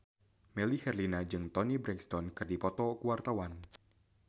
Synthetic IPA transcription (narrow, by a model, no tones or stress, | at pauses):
mɛlihɛrlinad͡ʒɨŋt̪ɔnibɾɛŋkst̪ɔnkɨrdipɔt̪ɔkuwart̪awan